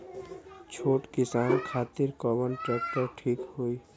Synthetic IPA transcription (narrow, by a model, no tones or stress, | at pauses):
t͡ʃʰoːʈkɪsaːnkʰaːt̪ɪɾkɔːmənʈɾɛːk̚ʈəɾʈʰiːkɦoi